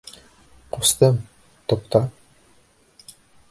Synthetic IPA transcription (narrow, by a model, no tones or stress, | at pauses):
qust̪ɤm | t̪opt̪ɑ